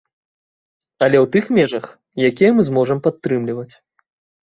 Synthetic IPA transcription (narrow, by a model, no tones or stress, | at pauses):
ɐlʲɛwt̪ɨxmʲɛʐɐx | jakʲijɐmɨzmɔʐɐmpat̪ːɾɨmlʲivɐt͡sʲ